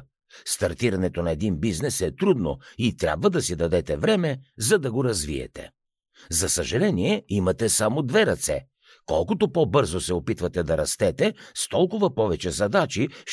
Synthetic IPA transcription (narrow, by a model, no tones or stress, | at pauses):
st̪ɐɾt̪iɾɐnɛt̪onɐɛd̪inbiznɛsɛt̪ɾud̪no̰it̪ɾʲja̰bvɐd̪ɐsid̪ɐd̪ɛt̪ɛvɾɛmɛzɐd̪ɐɡoɾɐzviɛ̰t̪ɛ̰ | zɐsɐʒɐlɛniɛimɐt̪ɛsamod̪vɛɾɐt̪sɛ̰ | kɔlˠkʊt̪opobɤɾzosɛopit̪vɐt̪ɛd̪ɐɾɐst̪ɛt̪ɛst̪ɔlˠkʊvɐpɔvɛt͡ʃɛzɐd̪at͡ʃi